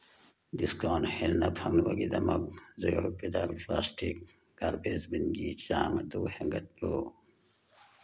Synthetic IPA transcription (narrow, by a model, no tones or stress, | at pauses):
d̪iskoːnhelnɐpʰɐŋnwɐɡid̪ɐmɐk̚zojopid̪alplaːstʰik | ɡaɾbeːzbinɡiːt͡ɕaːmɐd̪uheŋɡɐt̪̚loː